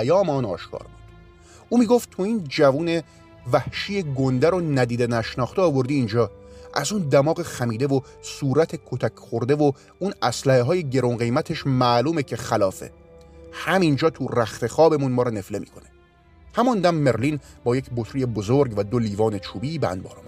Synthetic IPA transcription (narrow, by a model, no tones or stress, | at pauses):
æjɒːmeɒːnɒ̰ːʃkʰɒ̰ːɾbṵd̪̥ | ʔuːmiːɡo̞ft̪t̪ʰoiːnd͡ʒævuːne̞ | væhʃijeɡond̪æɾonæd̪iːd̪enæʃnɒːχt̪eɒːvo̞ɾd̪iːnd͡ʒɒːʔæzuːnd̪æmɒːɣeχæmiːd̪e̞vo | suːɾæt̪ʰe̞kʰot̪ʰækʰχoɾd̪e̞vo | unæslæheɦɒːje̞ɟe̞ɾonɢe̞jmæt̪ʰeʃmæːluːmecʰe̞χælɒːfe̞̰ | hæmind͡ʒɒːt̪ʰuræxt̪ʰe̞xɒːbe̞munmɒːɾɔne̞fle̞mḭːkʰo̞ne | hæmɔnd̪æmːe̞ɾliːnbɒːjecʰbot̪ʰɾije̞bo̞zoɾɡvæd̪o̞liːvɒːne̞t͡ʃʰuːbiːbeæ̰nd̪̚bɒ̰ːɾɑmu